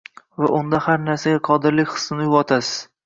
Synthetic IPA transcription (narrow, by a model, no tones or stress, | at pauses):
vaʔʊnd̪ahaɾnaɾsaɡʲaqʰɒd̪ɪɾlɪkʲχɨ̥sːɪnɪjʊvɒt̪ʰasɪz̥